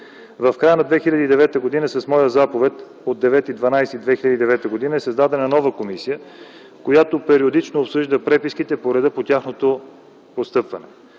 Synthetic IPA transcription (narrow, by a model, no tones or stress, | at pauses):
vɐfkɾajənɐd̪vɛxilʲɐd̪iːd̪ɛvɛt̪əɡod̪inəsɐsmɔjəzapovɛt̪ | od̪ːɛvɛt̪id̪vɐnajsid̪vɛxilʲɐd̪iːd̪ɛvɛt̪əɡod̪inəɛsɐzd̪ad̪ɛnɐnɔvəkomisijə | kojat̪opɛɾiod̪it͡ʃnoːpsɤʒd̪əpɾɛpiskit̪ɛpoɾɛd̪əpot̪ʲaxnot̪o | post̪ɤpvɐnɛ̰